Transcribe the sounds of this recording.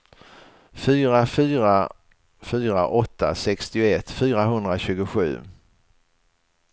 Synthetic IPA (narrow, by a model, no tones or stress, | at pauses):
fyːɾafyːɾa | fyːɾaʔɔt̪ːa̰sɛkst̪ɪʊɛt̪ːfyːɾaɦɵnd̪ɾaɕʉ̟ːɡʊɧʉ̟̰ː